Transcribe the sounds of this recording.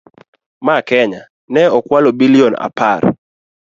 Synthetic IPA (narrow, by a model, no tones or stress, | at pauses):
makɛɲa | nɛɔkwalobiliɔna̰par